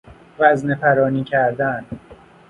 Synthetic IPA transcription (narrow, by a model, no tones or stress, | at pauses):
væznepʰæɾɒːniːcʰæɾd̪æn